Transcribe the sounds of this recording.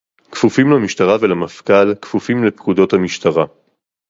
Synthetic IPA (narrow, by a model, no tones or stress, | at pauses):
kfufimlamiʃtaʁavelamafkalkfufimlepkudo̞thamiʃtaʁa